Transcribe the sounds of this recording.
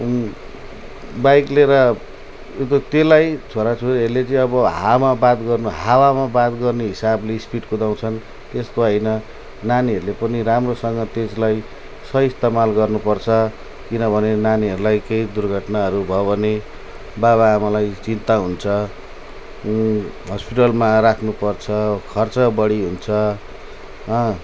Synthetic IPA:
bajkleɾʌ | jet̪̬ot̪elajt͡sʰoɾat͡sʰoɾɦʌɾlet͡sʌĩʌbʌɦamabad̪ɡʌrnuɦawamabad̪ɡʌrneɦisableispiʈkud̪aw̃t͡sʰʌn | t̪est̪oɦʌjnʌ | naniɦʌɾulepʌniramrosʌŋɡʌt̪eslaj | sʌist̪amalɡʌrnupʌrt͡sʰʌ | kinʌbʱʌnenaniɦʌɾulajkejd̪urɡʱʌʈnaɦʌɾubʱʌβʌne | baβaːmalajt͡sint̪aɦunt͡sʰʌ | ɦʌspiʈʌlmarakʰnupʌrt͡sʰʌkʰʌrt͡sʌbʌɽiɦunt͡sʰʌ | ɦʌ

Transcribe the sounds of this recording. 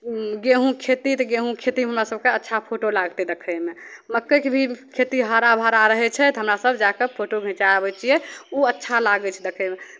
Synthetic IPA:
ɡeɦũkʰet̪it̪ɔɡeɦũkʰet̪ieɦəmɾasəb̚keətːʃʰapʰoʈolaɡt̪ed̪ekʰəjmeməkːəkbʱikʰet̪iɦaɾabʱaɾaɾəɦɛt͡ʃʰɛt̪ɦəmɾasəbʱd͡ʒakepʰoʈoɡʱɛ̃t͡ʃabɛt͡ʃʰijɛuətːʃʰalaɡɛt͡ʃʰɛd̪ekʰəjme

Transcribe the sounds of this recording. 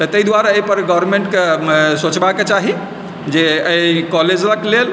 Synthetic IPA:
t̪ət̪əid̪waɾaəpəɾɡɔʋɾmeɳʈkesot͡ʃbaket͡ʃaɦi | d͡ʒeəkɔled͡ʒləklel

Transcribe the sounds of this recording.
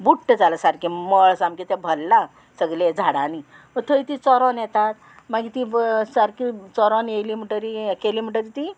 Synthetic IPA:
buʈːəd͡zaləsaɾkiməɭsamkit̪ebʱəlːa | səɡled͡zʱaɽani | ət̪ʰəit̪it͡sɔɾɔnjet̪at̪ | maɡit̪isaɾkit͡sɔɾɔnjelim̤iʈəɾikelim̤iʈəɾit̪i

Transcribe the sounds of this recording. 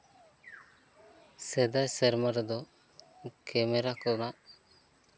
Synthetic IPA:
sɛd̪ajsɛɾmaɾd̪ɔ | kɛmɛɾakɔnaʔ

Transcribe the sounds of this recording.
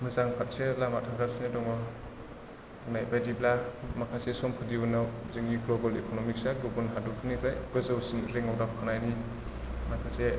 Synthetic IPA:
mɯzaŋpʰat̚selamatʰaɡasnidɔŋɔ | pʰɯnajbadiblamakʰasesɔmpʰɯdibɯnawzɯŋɡiɡlɔbɔlekʰonɔmik̚saɡubunɦadukʰɯnibajɡɯzɯwsinɾeŋɔwdap̚kʰɯnajni | makʰase

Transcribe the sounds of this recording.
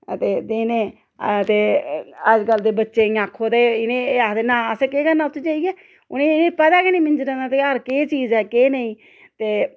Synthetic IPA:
ət̪eːd̪eːneː | t̪eːəd͡ʒkəld̪eːbətːʃeːĩaːkʰːoːt̪eːɪnẽːat̪eːnãːəseːkeːkənãːʊt̪ʰːid͡ʒaːiɛː | ʊnẽːɪnẽːpət̪aːkenĩːmɪɲd͡ʒɾɛ̃ːd̪aːt̪eːəɾkeːt͡ʃiːzɛːkeːnəĩː | t̪eː

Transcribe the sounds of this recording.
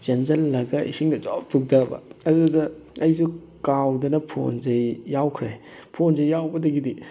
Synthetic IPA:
d͡ʒenzɐlːɐɡɐʔḭsiŋdɐd͡ʒop̚tʰuk̚dɐbɐ̰ɐdudɐɐjsu | kawdɐnɐpʰo̰nzɐjːawkʰɾe | pʰonzɐjːawbɐdɐɡidi

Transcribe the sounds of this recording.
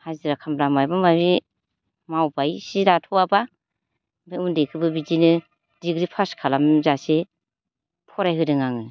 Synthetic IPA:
haziɾakʰamɾamajbamaɾi | mawbajsiɾatʰɔwaba | baundekʰɯbɯbid͡ʒinɯ | diɡɾipʰaskʰalamzase | pʰɔɾajɦɯdɯŋaŋɯ

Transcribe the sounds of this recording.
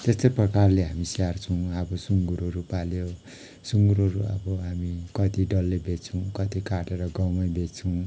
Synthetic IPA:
t̪est̪ʌjprʌkarleɦamisiart͡sʰʌw̃ʌbʌsuŋɡuɾoɾupaljo | suŋɡuɾoɾuʌ̰bʌɦamikʌt̪iɖʌlːebʱet͡sʰʌw̃kʌt̪ikaʈeɾʌɡʌwmʌjbet͡sʰuw̃

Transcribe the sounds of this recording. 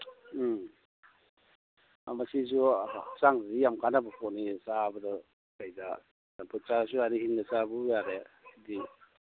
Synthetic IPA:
a̰masis̬usaŋdadijamkʰanabɐpʰɔnisabədɐ | kajda | apʰɯt͡ʃas̬uaɾihinːɐsabujaɾesidi

